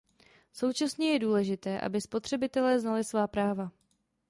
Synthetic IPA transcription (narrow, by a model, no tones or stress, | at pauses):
so̞wt͡ʃasɲɛjɛduːlɛʒɪt̪ɛːʔa̰bɪspo̞t̪r̝̥ɛbɪt̪ɛlɛːznalɪsvaːpɾaːva